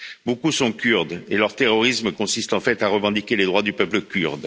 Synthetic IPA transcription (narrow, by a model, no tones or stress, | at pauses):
bokusɔ̃kʲyʁd̪elœʁt̪eʁɔʁisməkɔ̃sist̪ɑ̃fɛt̪aʁəvɑ̃d̪ikʲeled̪ʁwad̪ypœpləkʲyʁd̪